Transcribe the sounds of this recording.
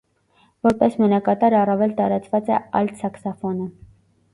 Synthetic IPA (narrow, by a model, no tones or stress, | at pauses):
vɔɾpɛsmənɑkɑt̪ɑɾɑrɑvɛlt̪ɑɾɑt͡svɑt͡sɛ̰ɑ̰jlsɑksɑfɔnə